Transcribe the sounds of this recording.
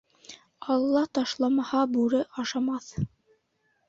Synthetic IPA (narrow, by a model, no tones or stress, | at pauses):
ɑlˠːɑt̪ɑʃlˠɑmɑhɑbʉɾɘʔɑʃɑmɑθ